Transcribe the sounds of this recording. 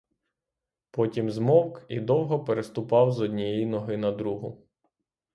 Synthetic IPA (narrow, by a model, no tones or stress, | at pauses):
pɔtʲimzmɔwkid̪ɔwɦɔpeɾest̪ʊpɑwzɔdʲnʲijejinɔɦɪnɐd̪ɾuɦʊ